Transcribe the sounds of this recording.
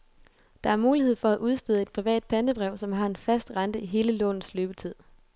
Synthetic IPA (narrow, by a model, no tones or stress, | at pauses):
d̥ɑ̈æɐmuːlihe̝ð̞̰ˠfɒ̽æʔuð̞ˠsd̥e̝ðˠe̝d̥̚pʰʁiʋɛ̰ːd̥̚pʰæn̥əb̥ʁɛʊ̰sɒ̽mɦɑ̈e̝nfæsd̥ʁɑ̈nd̥əiɦe̝ːləlɔ̰̽ːn̩ˠsløːb̥ət͡sʰið̞̰ˠ